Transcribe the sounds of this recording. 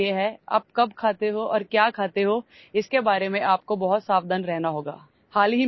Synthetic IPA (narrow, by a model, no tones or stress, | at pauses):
eɦɛa̰ːp̚kɐbkʰaːt̪eɦoʔɔːɾkjaːkʰaːt̪eɦoː | ɪskebaːɾemẽʔaːp̚kobɐɦʊt̪saːʋd̪ənɾɛɦnaɦoːɡa̰ː | haːlɦi